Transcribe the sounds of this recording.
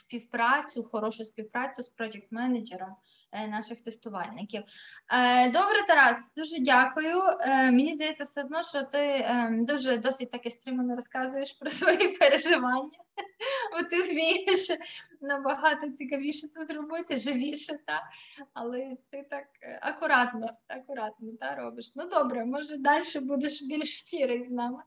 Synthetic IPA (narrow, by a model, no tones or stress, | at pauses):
spʲiwpɾɑt͡sʲʊxɔɾɔʃʊspʲiwpɾɑt͡sʲʊspɾɔd͡ʒɛk̚t̪mɛnɐd͡ʒeɾɐ | nɑʃɪxt̪est̪ʊʋɑlʲnɪkʲiw | d̪ɔbɾet̪ɐɾɑzd̪uʒɛdʲakʊjʊmenʲizd̪ɐjɛt͡sʲːɐseɔd̪nɔʃt͡ʃɔt̪ɪd̪uʒɛd̪ɔsɪt̚ʲt̪ɑkɪst̪ɾɪmɐnɔɾɔskɑzʊjeʃpɾɔsʋɔjɛpeɾeʒɪʋɑnʲːɐʋɔt̪ɪwmʲijeʃnɐbɐɦɑt̪ɔt͡sʲikɐʋʲiʃɛt͡s̪ɐzɾɔbɪt̪ɪʒɪʋʲiʃɛt̪aɐlˠɛt̪ɪt̪ɑkɐ̰kʊɾɑt̪nɔɐkʊɾɑt̪̚nɔt̪aɾobɪʃnud̪obɾɛmɔʒɛd̪ɑlʲʃɛbud̪eʃbʲilʲʃt͡ʃʲiɾɪjznɑmɪ